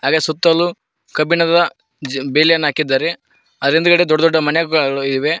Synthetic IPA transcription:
ɦaːɡesut̪ːɐlːu | kɐbinɐd̪ɐ | d͡ʒbeːlijɐnːaːkid̪ːaːɾe | ɐd̪ɐɾind̪ukɐɽed̪ɔɖːɐd̪ɔɖːɐmɐnɛɡɐɡɐɭɡɐɭuid̪ʋe

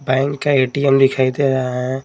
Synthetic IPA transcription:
bɛ̃ːŋkːaeːʈiɛmd̪ɪkʰaːid̪eɾɐɦaɦɛ̃

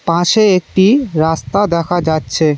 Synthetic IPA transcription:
pãʃeek̚ʈiɾast̪ad̪ɛkʰad͡ʑatːɕʰe

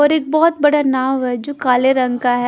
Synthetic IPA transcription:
ɔːɾeːk̚bɔɦɔt̪̚bɐɽanaːʋɦɛd͡ʒoːkaːleɾɐ̃ŋɡkaɦɛ

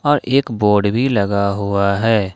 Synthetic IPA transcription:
ɔːɾeːkboːɾɖbʱiləɡaɦuaɦɛː

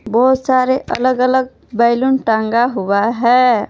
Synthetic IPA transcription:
bɔɦut̪saɾeʔə̰ləɡələɡ̚ | bəɪlunʈaŋɡaɦubaɦɛ

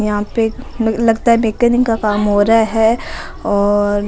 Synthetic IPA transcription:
jɐɦãpelɐɡt̪aɦɛmeːkənɪ̃ŋkakaːmɦoːɾaaɦɛː | ɔːɾ

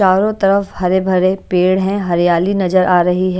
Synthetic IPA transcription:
aːɾõt̪ɐɾəfhɐɾebʱɐɾepeːɽɦɛ̃ɦɐɾjaːlinɐzəɾʔaːɾɐɦiɦɛ

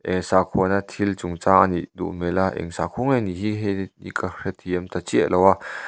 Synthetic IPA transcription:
ʔʔɛŋsakʰɔnat̪ʰilt͡suŋt͡saʔniʔd̪ṵʔmɛlaʔɛ̰ŋsakʰuŋɛniɦiɦɛnḭkarɛt̪ʰiɛmt̪at͡siəʔlʔɔwa

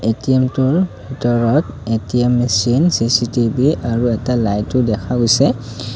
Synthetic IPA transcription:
etiɛmtʊɹbʱitɔɹɔtetiɛmːisinsisitibiaɹuɛtalajtʊdɛkʰaɡojsɛ

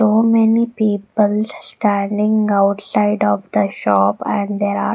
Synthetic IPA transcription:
soːmɛnipiːpəlsʈæ̃ɳɖɪ̃ŋaʊʈsaɪɖɔʋd̪əʃɔːpɛ̃ɳɖd̪eːɾa̰ː

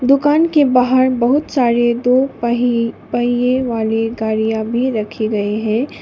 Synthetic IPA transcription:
d̪ʊkaːnkebaːɦəɾbɐɦʊt̪saːɾed̪oː | pɐɦijeʋaːleɡaːɾijabʱiɾɐkʰeɡɐeɦɛ̃ː

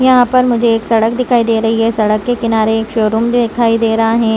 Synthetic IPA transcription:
jɐɦãpɐɾmʊd͡ʒʱeːksɐɽək̚d̪ɪkʰaːid̪eːɾɐɦiɦɛsɐɽəkːekɪnaːɾeeːkʃoːɾumd̪ɪkʰaːid̪eːɾɐɦaɦɛ̃ː

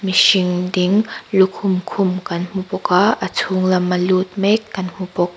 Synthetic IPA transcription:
misiŋdiŋlukʰʊmkʰʊmkɐnm̥upɔkaʔət͡sʰuŋlɐmɐlut̪̚mɛkːɐnm̥upɔk̚

